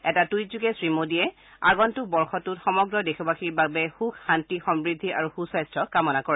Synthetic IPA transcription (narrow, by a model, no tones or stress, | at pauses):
ɛtatujzuɡɛsɹimodijɛ | a̰ɡɔntʊbɔɹxɔtutxɔmɔɡɹɔdexʰubaxʰiɹbabɛxukːantixɔmbɹidʱːiʔa̰ɹuxusajstɹɔkamɔnakɔɹɛ